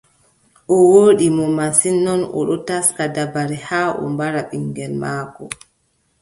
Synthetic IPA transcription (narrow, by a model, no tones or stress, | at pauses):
ʔɔwoːɗimɔmasinːɔnɔ̰ɗɔtaskadabaɾɛhaːʔɔ̰mbaɾaɓiŋɡɛlmaːkɔ